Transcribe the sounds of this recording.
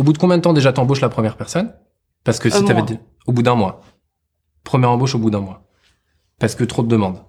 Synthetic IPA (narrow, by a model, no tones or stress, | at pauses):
obud̪əkɔ̃bjɛ̃d̪ət̪ɑ̃d̪eʒat̪ɑ̃boʃlapχəmjɛʁpɛʁsɔn | paʁsə̥kəssiyavɛd̪ | obud̪ɛ̃mwa | pχəmjɛʁɑ̃boʃobud̪ɛ̃mwa | paʁsə̥kət̪χod̪əd̪əmɑ̃d̪